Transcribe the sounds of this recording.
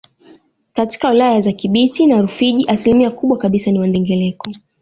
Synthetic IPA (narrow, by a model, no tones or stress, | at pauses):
kati̥kawilajazakiɓitinaɾufiʄiʔasilimiakuɓwakaɓisaniwandɛŋɡɛlɛkɔ